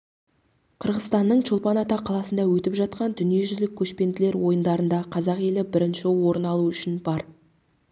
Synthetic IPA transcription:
qʰəɾʁəzt̪ɑnːəɴt͡ʃʰolˠpɑnɑt̪ɑqʰːɑlˠɑsənd̪ɑwɵt̪ɪpʒɑt̪̚qɑnd̪ʏnije̞ʒʏzlɪkʲʰːɵʃpe̞nd̪ɪle̞ɾwo̞jənd̪ɑɾənd̪ɑqʰɑzɑqje̞lɪbɪɾɪnʃɪwo̞ɾənɑlˠuʏʃɪnbɑɾ

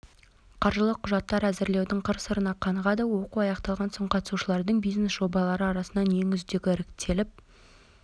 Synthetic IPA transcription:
qʰɑɾʒəlˠəqʰːʊʒɑt̪ːɑɾæzɪɾle̞wd̪ɪɴqʰəɾsəɾənɑqʰɑɴəʁɑd̪əwo̞quɑjɑqt̪ɑlˠʁɑnsoɴqʰɑt̪ə̥suʃəlˠɑɾd̪əɴbijznesʒo̞bɑlˠɑɾəɑɾɑsənɑnje̞ŋʏzd̪e̞ɡʲɪɾɪkt̪ʰːe̞lɪp̚

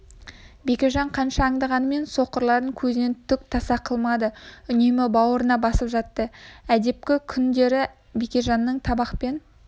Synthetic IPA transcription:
bekʲe̞ʒɑɴqʰɑnʃɑːɴd̪ɑʁɑnəme̞nso̞qəɾlˠɑɾd̪əŋkʲʰɵzɪne̞nt̪ʰʏk̚t̪ʰɑsɑqʰəlˠmɑd̪əʏnemɪbɑwəɾənɑbɑsəpʒɑt̪ːəæd̪e̞p̚kʲɪkʲʰʏnd̪e̞ɾɪ | bekʲeʒɑnːəɴt̪ʰɑbɑqpe̞n

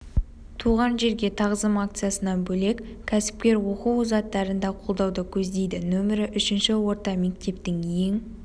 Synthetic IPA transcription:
t̪ʰuʁɑnʒe̞ɾɡʲe̞t̪ʰɑʁəzəmak̚t̪sɨjasənɑnbɵle̞k | kʲʰæsɪ̥pkʲe̞ɾwo̞quwzɑt̪ːɑɾənd̪ɑqʰo̞lˠd̪ɑwd̪əkʲʰɵzd̪e̞jd̪ɪnɵmɪɾɪʔʏʃɪnʃɪwo̞ɾt̪ɑme̞k̚t̪e̞pt̪ɪŋjeŋ

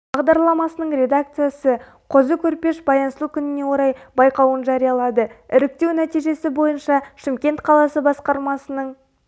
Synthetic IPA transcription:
bɑʁd̪ɑɾlˠɑmɑsənəɴɾe̞d̪ak̚t̪sɨjasə | qʰozəkʲʰɵɾpe̞ʃbɑjɑnslˠukʲʰʏnɪne̞wo̞ɾɑjbɑjqɑwənʒɑɾijɑlˠɑd̪əɪɾɪk̚t̪e̞wnæt̪ijʒe̞sɪbo̞jənʃɑʃɪmkʲe̞nt̪qʰɑlˠɑsəbɑsqɑɾmɑsənəɴ

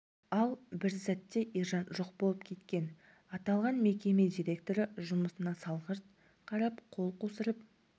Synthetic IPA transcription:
ɑlˠbɪɾsæt̪ːe̞ʔiʒɑnʒoq̚bo̞lˠəpkʲʰe̞t̪kʲe̞n | ɑt̪ɑlˠʁɑnme̞kʲe̞me̞d̪ʲijɾʲe̞kt̪o̞ɾəʒʊməsənɑsɑlˠʁəɾt̪̚ | qʰɑɾɑpqʰo̞lˠqosəɾəp̚

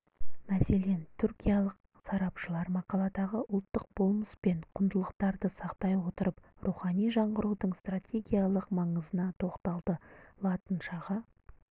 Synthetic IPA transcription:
mæse̞le̞nt̪ʰʏɾkʲijɑlˠəq̚ | sɑɾɑpʃəlˠɑɾmɑqɑlˠɑd̪ɑʁəʔʊlˠt̪ːəq̚b̥o̞lˠməspe̞ɴqʰʊnd̪əlˠəqt̪ɑɾd̪əsɑqt̪ɑjwo̞t̪əɾəp̚ | ruχɑnijʒɑɴʁəɾud̪əɴst̪ratʲe̞ɡʲijalˠəqmɑɴəzənɑt̪ʰo̞qt̪ɑlˠd̪əlˠɑt̪ənʃɑʁɑ

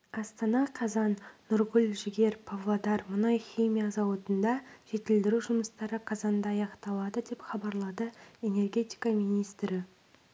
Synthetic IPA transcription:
ɑst̪ɑnɑqʰɑzɑnːʊɾɡʲʊlʲʒɪɡʲe̞ɾpʰovlˠod̪ɑɾmʊnɑjχʲijmʲijazɑwɑt̪ənd̪ɑʒ̥e̞t̪ɪld̪ɪɾuʒʊməst̪ɑɾəqʰɑzɑnnd̪ɑːjɑqt̪ɑlˠɑd̪əd̪e̞pχɑbɑɾlˠɑd̪əe̞ne̞rɡʲe̞t̪ijkɑmijnijst̪ɾɪ

